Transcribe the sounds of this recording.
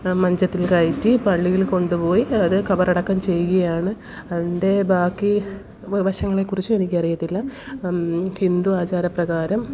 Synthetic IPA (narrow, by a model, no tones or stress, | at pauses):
mɐɲd͡ʑɐt̪ːilkɐjitːipɐɭːijilko̞ɳɖupo̞ːjiɐðɨkɐbɐrɐɽɐkːɐmt͡ɕe̞jːuɣɐjaːɳɨ | ɐðinde̞bʱaːkːi | ʋɐɕɐŋːɐɭe̞kːurit͡ɕːuenikʲːiɐrijɐt̪ːilːɐ | hind̪uaːt͡ɕaːɾɐprɐɣaːɾɐm